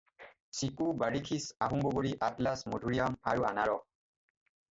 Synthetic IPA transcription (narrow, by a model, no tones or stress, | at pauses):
sikubaɹikʰisaɦumboɡoɹiʔatlasmodʱuɹijama̰ɹuanaɹɔ